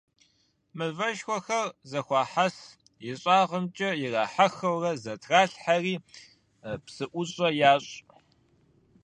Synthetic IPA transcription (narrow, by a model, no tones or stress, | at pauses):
mɨvɐʃxʷɔxɐrzɐxʷɑːħas | jɪɕʼaːʁəmt͡ʃʼɐjɪraːħaxɐwrɐzɐtʰraːɬħariː | psɨʔʷʊɕʼɐjaːɕʼ